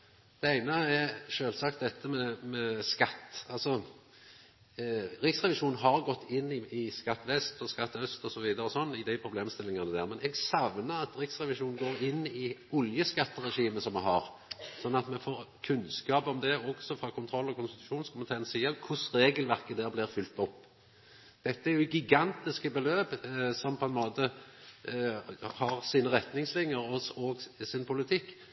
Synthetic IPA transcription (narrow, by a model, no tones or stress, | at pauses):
d̪̥ɛæɪnəɛɾʃøːlsɑkt̪̚d̪ɛt̪ːəmɛmɛskɑt̪ːɑlsɔ | ɾɪksʁɛʋɪʂuːnnɦɑɾɡɔt̪ːɪnːɪɪskɑt̪ːʋɛst̪ɔskɑt̪ːœst̪ɔsɔʋiːd̪əɾəɔsɔnːɪd̪æɪpʰɾʊbleːmst̪ɪlːɪŋɑnəd̪æːʁmɛnɛɡsɑʋnəɑt̪ɾɪksɾɛʋɪʂuːnnɡoːɾɪnːɪɔljəskɑt̪ːəɾɛʂiːməsɔmɛɦɑɾ | sɔnːɑt̪mɛfoːʁkʰʉnskɑːpɔmd̪ɛɔɡsɔfɾɑːkʰʊnt̪ʰɾɔlːɔkʊnst̪ɪ̥t̪ʉʃuːnskʊmɪt̪ʰeːnsiːəkʰʊsɾeːɡəlʋæʁkəd̪æːʁblɪʁfʏlt̪ɔpː | d̪̥ɛt̪ːəæɾjʊɡɪɡɑnt̪ɪskəbɛløːbsɔmpʰɔɛnmoːt̪ə | hɑʁsiːnəʁɛt̪nɪŋslɪŋjəɾɔɔɡsɪnpʰʊlɪt̪ʰɪkː